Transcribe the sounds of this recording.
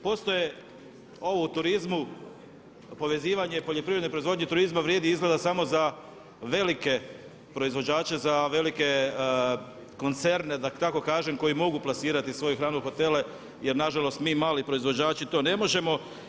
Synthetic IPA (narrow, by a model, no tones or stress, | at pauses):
po̞ːst̪o̞je | o̞ʋo̞ut̪uɾizmu | po̞ʋe̞ziːʋaɲe̞po̞ʎopɾiʋɾed̪nepɾo̞izʋo̞d̪ɲet̪uɾizmaʋɾʲjeːd̪iizɡle̞d̪asamo̞za | ʋe̞like̞ | pɾo̞izʋo̞d͡ʑaːt͡ʃe̞zaʋe̞like̞ | ko̞nt̪se̞ɾne̞d̪at̪ako̞kaːʒe̞mko̞jimo̞ɡuplasiːɾat̪isʋo̞juxɾaːnuxo̞t̪e̞le | je̞ɾnaʒalo̞st̪miːmaːlipɾo̞izʋo̞d͡ʑaːt͡ɕit̪o̞ne̞mo̞ʒe̞mo̞